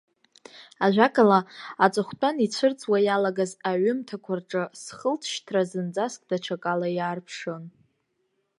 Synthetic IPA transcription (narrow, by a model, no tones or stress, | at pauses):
aʒᶣʷakʼalaat͡sʷʼɨχʷtʼanit͡ɕʷʰɨrt͡sʼwajalaɡazaɥʏmtʰakʷʰarʈ͡ʂʼɨsχəltʰʃtʰrazɨnd͡zʼaskʼdaʈ͡ʂʰakʼalajaːrpʰʂon